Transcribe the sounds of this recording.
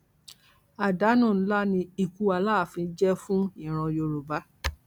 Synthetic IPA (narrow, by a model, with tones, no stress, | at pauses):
a˨da˨˦nũ˦˨˦la˦nĩ˧i˧˨ku˧˦a˧˨laː˦˨fĩ˧˦d͡ʒɛ˦fũ˦ĩ˦˨ɾ̃ɔ̃˧jo˧ɾo˨ba˨˦